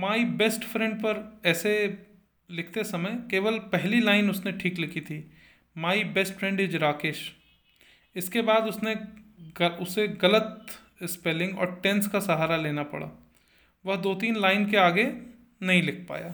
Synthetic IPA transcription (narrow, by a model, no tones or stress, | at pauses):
maːibesʈfɾɛ̃ɳɖpɐɾɛːse | lɪkʰt̪esɐməjkeːʋəlpɛɦlilaːɪnʊsneʈʰiːklɪkʰit̪ʰiː | maːibeːsʈfɾɛ̃ɳɖɪd͡ʒɾaːkeːʃ | ɪskebaːd̪ʊsne | ʊseɡɐlət̪ | ɪspeːlɪ̃ŋɡɔ̰ːɾʈɛ̃nskasɐɦaːɾaleːnapɐ̰ɽa̰ː | ʋɐɦd̪oːt̪iːnlaːɪnkeaːɡe | nɐɦĩlɪkʰpa̰ːjaː